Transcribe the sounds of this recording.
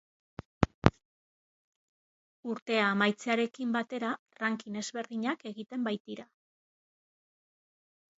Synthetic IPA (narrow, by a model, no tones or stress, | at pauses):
uɾt̪e̞aːmajt͡seaɾe̞kimbat̪e̞ɾa | raŋkine̞zβe̞ɾðiɲake̞ɣit̪e̞mbajt̪iɾa